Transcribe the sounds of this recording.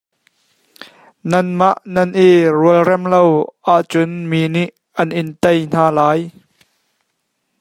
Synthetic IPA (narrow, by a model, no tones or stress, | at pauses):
nɐnmaʔnɐnʔiruəlrɛmlowʔaʔt͡sʊnminiʔ | ɐnʔɪnt̪ejn̥aːlaːj